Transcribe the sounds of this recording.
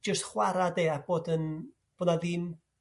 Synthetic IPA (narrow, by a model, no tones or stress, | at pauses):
d͡ʒəstχwaɾadeːab̥oːdən | b̥ɔːnaðɪːm